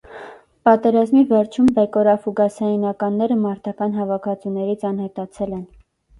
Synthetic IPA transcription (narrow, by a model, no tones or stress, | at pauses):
pɑt̪ɛɾɑzmivɛɾt͡ʃʰumbɛkɔɾɑfuɡɑsɑjinɑkɑnːɛɾəmɑɾt̪ɑkɑn̪ɦɑvɑkʰɑt͡sunɛɾit͡sʰɑnhɛt̪ɑt͡sʰɛlɛn